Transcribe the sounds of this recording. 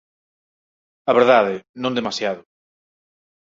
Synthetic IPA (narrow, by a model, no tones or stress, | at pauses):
aβeɾðaðɪnõnd̪emasjaðʊ